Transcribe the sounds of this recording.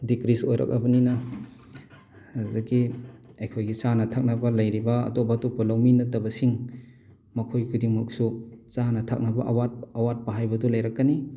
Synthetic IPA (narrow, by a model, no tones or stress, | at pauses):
dikɾisojɾa̰kɐbɐninɐ | zɐɡiɐjkʰojɡisanɐtʰak̚nɐbɐlɐjɾibɐ̰ːtop̚ːatop̚ːɐlawminɐtɐbɐsiŋ | mɐkʰojkʰudiŋmɐk̚sut͡ʃanɐtʰa̰k̚nɐbɐʔɐwat̚ɐwat̚pɐɦajbɐdɔlɐjɾakːani